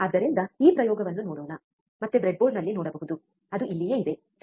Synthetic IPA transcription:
ɐd̪ːɐɾind̪ɐiːpɾɐjɔːɡɐʋɐnːunoːɽoːnɐ | mɐt̪ːebɾeɖ̚boːlnɐlːinoːɽɐbɐɦud̪u | ɐd̪uilːijeːid̪e̞

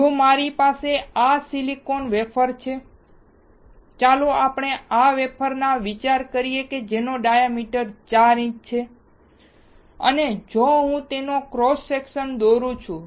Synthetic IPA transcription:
d͡ʒomaɾipaseasilikonʋepʰəɾt͡ʃʰe | t͡ʃaloapɳeaʋepʰəɾnaʋit͡ʃaɾkəɾijeked͡ʒenoɖajamiʈəɾt͡ʃaɾĩt͡ʃt͡ʃʰe | ə̰ned͡ʒoɦũt̪enokɾɔsːekʃənd̪oɾũt͡ʃʰũ

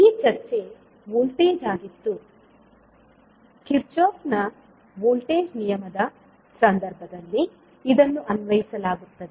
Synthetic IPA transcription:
iːt͡ʃɐɾt͡ʃe̞ | ʋoːlʈeːd͡ʒaːɡit̪ːu | kiɾt͡ʃoːknɐ | ʋoːlʈeːd͡ʒnijɐmɐd̪ɐ | sɐnd̪ɐɾbʱɐd̪ɐlːiː | d̪ɐnːuʔɐnʋɐjisɐlaːɡut̪ːɐd̪e

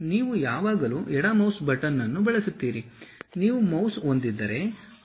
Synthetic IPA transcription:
niːʋujaːʋaːɡɐluːʔɛɽamɐwsbɐʈɐnːɐnːubɛɭɐsut̪ːiːɾiniːʋumɐwso̞nd̪id̪ːɐɾe̞

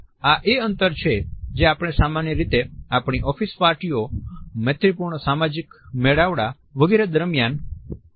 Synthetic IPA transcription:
aʔeənt̪əɾt͡ʃʰed͡ʒeapɽ̃esamanjəɾit̪eapɽ̃iʔɔfispaɾʈiomɛt̪ʰɾipuɾɳəsamad͡ʒikmeɭaʋɽa | ʋəɡeɾed̪əɾmjan

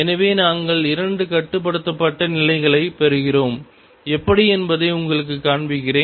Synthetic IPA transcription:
ɛnɐʋeːnaːŋɡɐɭɪɾɐɳɖɯkɐʈːɯp̬ːɐɽɯt̪ːɐpːɐʈːɐnɪlɐɪɣɐɭɐɪpɛɾɯɣɪroːm | ɛpːɐɽiɛnbɐðɐɪʊŋɡɐɭɯk̬ːɯkːaːɳbɪɣɪreː

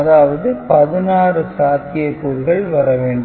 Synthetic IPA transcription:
ɐðaːʋɐðɯpɐðɯnaːrɯsaːt̪ʰɪjɐkuːlɣɐɭʋɐɾɐʋeːɳɖ

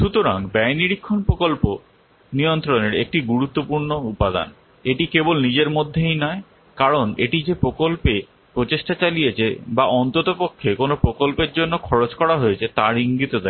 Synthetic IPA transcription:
ʃut̪oɾaŋbɛjniɾikʰːonpɾokolpo | nijont̪ɾoneɾḛk̚ʈiɡuɾut̪ːopuɾnoupad̪a̰n | eʈikebolnid͡ʑeɾmod̪ʱːejnɔe | kaɾoneʈid͡ʑepɾokolpe | pɾot͡ɕeʃʈat͡ɕalijet͡ɕʰḛbaʔɔnt̪ot̪opokʰːekonopɾokolpeɾd͡ʑonːokʰɔɾot͡ɕkɔɽaɦojet͡ɕʰet̪aɾiŋɡit̪od̪ɛ

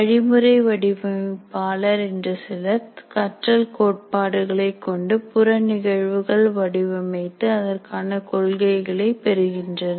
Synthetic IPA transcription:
ɐɻɪmɯɾɐɪʋɐɽɪʋɐpaːlɐɾɛndrɐsɪlɐt̪kɐʈrɐlkoːʈ̚paːɽɯɣɐɭɐɪkːɔɳɖɯpʊrɐnɪɣɐɻʋɯɣɐɭʋɐɽɪʋɐmɐɪt̪ːɯɐðɐrkaːnɐkɔɭɣɐɪɣɐɭɐɪpɛɾɯɣɪndrɐnɐ

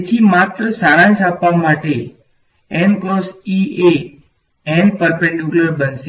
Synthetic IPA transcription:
et̪ʰimat̪ɾəsaɽ̃ãnt͡ʃapʋamaʈe | ɛnkɾɔsie | ɛnpəɾpɛ̃ɳɖjukləɾbənse

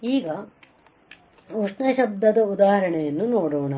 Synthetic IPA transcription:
iːɡɐ | uʂnɐʃɐb̚d̪ʱɐd̪ɐud̪aːɦɐɾɐɳɛjɐnːunoːɽoːɳɐ

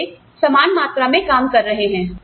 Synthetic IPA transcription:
e | sɐmaːnmaːt̪ɾamẽkaːmkɐɾːɐɦeɦɛ̃ː

